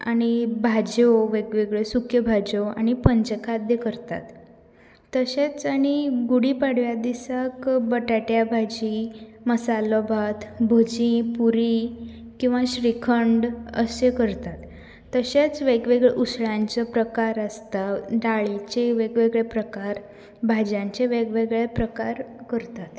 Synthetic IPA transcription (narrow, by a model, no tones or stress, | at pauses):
a̰ɽ̃ibʱad͡ʑoʋeɡʋeɡɭesukʰjəbʱad͡ʑoa̰ɽ̃ipəɲd͡ʑəkʰad̪jəkəɾt̪a̰t̪ː | əɕet͡saɽ̃iɡuɽipaɽ̤ʋjad̪isakbəʈaʈjabʱad͡ʑiməsalobʱat̪bʱod͡ʑĩpuɾi | kĩw̃ʋaɕɾikʰəɳɖə̰sekəɾt̪at̪ː | əɕet͡sʋeɡʋeɡɭeʔusɭãɲt͡səpɾəkaɾəst̪aɖaɭit͡ɕeʋeɡʋeɡɭepɾəkaɾ | bʱad͡ʑãɲt͡ɕeʋeɡʋeɡɭepɾəkaɾkəɾt̪at̪